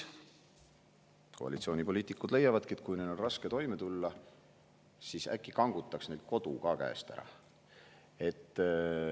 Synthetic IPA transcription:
ko̞ɑ̰lit̪sio̞ːnʲipo̞liːt̪ːˑikːˑud̪̥le̞jːɑvɑd̪̥̚kiet̪kujned̪o̞nrɑske̞t̪o̞jme̞t̪ulːɑ | siːsæ̰kːˑikɑŋɡ̥ut̪ːˑɑksne̞ld̪̥̚ko̞d̪̥ukɑkæ̰ḛst̪æ̰ɾɑ̰ | e̞t̪ː

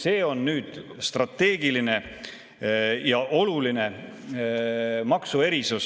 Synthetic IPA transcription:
se̞ːonːyːd̪̥st̪rɑt̪ːe̞ːɡ̥iline̞ | jɑʔo̞luline̞ | mɑksue̞ɾisus

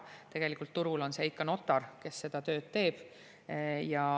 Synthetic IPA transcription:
t̪e̞ɡ̥e̞likːˑult̪ːuɾulo̞nseikːɑno̞t̪ːˑɑrke̞sːe̞d̪̥ɑt̪ø̞ːd̪̥t̪e̞ːb̥ | jɑ

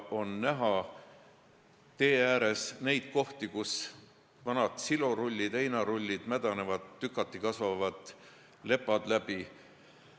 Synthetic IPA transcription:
o̞nːæɦɑ | t̪e̞ːæːɾe̞sne̞jd̪̥̚ko̞ht̪ikus | vɑnɑd̪̥siloɾulʲːid̪ejnɑɾulʲːid̪̥mæd̪̥ɑne̞vɑd̪ːykːˑɑt̪ːˑikɑsvɑvɑd̪̥ | le̞pːˑɑd̪̥læb̥i

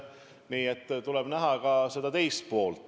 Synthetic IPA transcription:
niːet̪ːt̪ulɛb̥næɦɑkɑse̞d̪ɑt̪e̞jst̪̚po̞ːlt̪

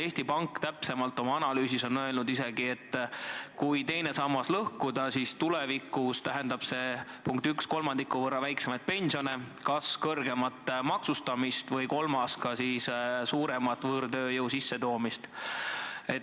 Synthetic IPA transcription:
e̞ːst̪ipɑŋkːˑt̪æpse̞mɑlt̪ːˑo̞mɑɑnɑlyːsiso̞nːøelnud̪ise̞ɡ̥ie̞t̪ːˑkujt̪e̞jne̞sɑmːɑslɤhkud̪̥ɑsiːst̪ulevikˑust̪æɦe̞nd̪ɑb̥se̞puŋkt̪yksko̞lmɑnd̪̥ikːˑuvɤrːɑvæjksemɑjd̪̚pe̞nʲsio̞ne̞ | kɑskɤrɡ̥e̞mɑt̪ˑmɑksust̪ɑmist̪vɤjko̞lmɑskɑsiːssuːɾe̞mɑt̪ːˑvɤːɾd̪ø̞ːjɤwsisːe̞t̪o̞ːmist̪ | e̞

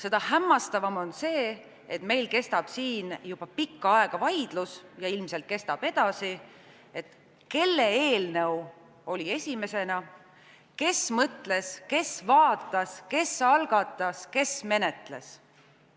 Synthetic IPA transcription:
se̞d̪̥ɑhæmːɑst̪ɑvɑmo̞nse̞ː | et̪me̞jlke̞st̪ɑb̥siːnjub̥ɑpikːɑɑe̞ɡ̥ɑvɑjd̪̥lusjɑilmse̞lt̪̚ke̞st̪ɑb̥e̞d̪̥ɑsi | e̞t̪ | ke̞lːe̞eːlnew | o̞lie̞sʲime̞se̞nɑ | ke̞smɤt̪le̞ske̞svɑːt̪ːˑɑske̞sɑlɡ̥ɑt̪ːˑɑske̞sme̞ne̞t̪le̞̰s

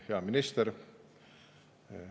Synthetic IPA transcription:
heɑminist̪er

